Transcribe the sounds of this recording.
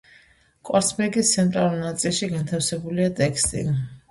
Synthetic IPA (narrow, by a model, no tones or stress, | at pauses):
kʼwaɾsbɛɡist̪sʰɛnt̪ʼɾalulˠnat̪sʼilˠʃiɡant̪ʰafsɛbuliat̪ʼɛkst̪ʼḭ